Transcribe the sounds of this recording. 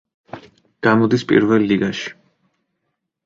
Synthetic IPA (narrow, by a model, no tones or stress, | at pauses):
ɡ̥amɔd̪ispʼḭɾvɛlːiɡaʃi̥